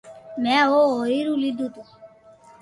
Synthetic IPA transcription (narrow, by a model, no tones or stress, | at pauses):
mɛooiɾulid̪ut̪u